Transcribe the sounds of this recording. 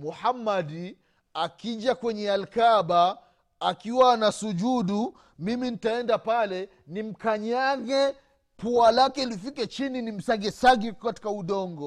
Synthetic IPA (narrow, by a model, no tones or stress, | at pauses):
muhamːad | akiʄakwɛɲɛalkaɓaː | kiwaːnasuʄuɗu | miminitaɛndapalɛ | nim̩kaɲaɣɛ | pualakɛilifikat͡ʃininim̩saɡɛsaɡɛkati̥kauɗɔŋɡɔ